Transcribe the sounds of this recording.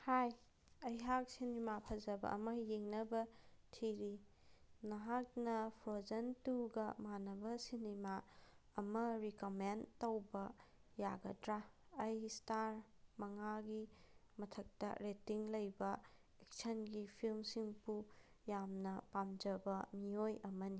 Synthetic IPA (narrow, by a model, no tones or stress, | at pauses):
haj | ɐjɦak̚sinemapʰɐzɐbɐ̰ʔɐ̰mɐjeŋnɐbɐtʰiɾi | nɐɦak̚nɐpʰɾozɐntuɡɐmanɐbɐsinema | ɐmɐɾikomentowbɐjaɡɐdɾaːjstaɾ | mɐŋaɡimɐtʰɐk̚tɐ̰ɾetiŋlɐjbɐ | ek̚sɐnɡipʰilmsiŋpu | jamnɐpamd͡ʒɐbɐmiojɐmɐni